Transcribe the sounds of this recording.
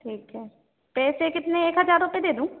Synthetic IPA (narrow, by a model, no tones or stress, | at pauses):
ʈʰiːkɦɛː | pɛːseːkɪt̪nẽeːkɦəzaːɾɾʊpeːd̪eːd̪ũː